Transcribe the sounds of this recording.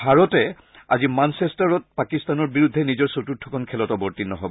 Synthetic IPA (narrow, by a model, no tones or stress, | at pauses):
bʱaɹɔtɛ | a̰zimansestaɹɔt̚pakistanɔɹbiɹudʱːɛnizɔɹsotutʰːɔkʰɔnkʰɛlɔtɔboɹtinɔɦɔbɔ